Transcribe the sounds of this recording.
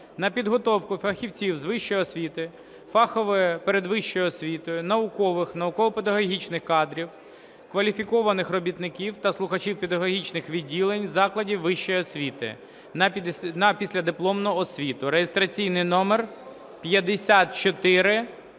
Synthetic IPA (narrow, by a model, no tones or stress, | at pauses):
nɐpʲid̪ɦɔt̪ɔwkʊfɐxʲiwt͡sʲiwzʋɪʃt͡ʃːɔjɔsʲʋʲit̪ɪ | fɑxɔʋɪpeɾed̪ʋɪʃt͡ʃːɔjʊɔsʲʋʲit̪ɔjʊnɐʊkɔʋɪxnɐʊkɔʋɔped̪ɐɦɔɦʲit͡ʃnɪxkɑd̪ɾʲiw | kʋɐlʲifʲikɔʋɐnɪxrɔbʲit̪nɪkʲiwt̪ɐslˠʊxɐt͡ʃiwpʲed̪ɐɦɔɦʲit͡ʃnɪxʋʲidʲːilˠenʲzɑklˠɐdʲiwʋɪʃt͡ʃɔjɔsʲʋʲit̪ɪ̰ | nɐnɐpʲisʲlʲɐd̪ɪplˠɔmnɔɔsʲʋʲit̪ʊɾejest̪ɾɐt͡sʲijnɪjnɔmɛr | pʲjɐd̪esʲat̪̚t͡ʃɔt̪ɪɾɪ